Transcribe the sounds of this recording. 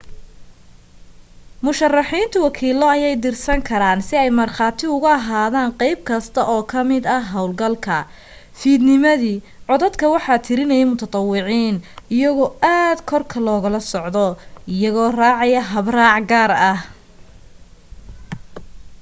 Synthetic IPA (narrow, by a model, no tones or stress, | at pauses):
mʊʃɐrɑħiːnt̪ʰʊwɑkʰiːlɔɐjɛjd̪ɪrsɐŋkʰɐɾaːnsɪɛjmɐrχɑːt̪ʰɪʊɣʊɐɦaːðaːŋqɛjb̚kʰɐst̪ʰɐʔɔːkʰɐmɪd̪ɐɦɐwlɡɐlkʰɐ | fiːd̪nɪmɐðiː | ʕɔðɐd̪kʰɐwɑħɑːt̪ʰɪɾɪnɛjɛjmʊt̪ʰɐt̪ˤɑwɪʕiːnɪjɐɣɔːaːd̪kʰɔrkʰɐlɔːɣɐlɐsɔʕd̪ɔɪjɐɣɔːraːʕɑjɐɦɐbraːʕɡaːrɐh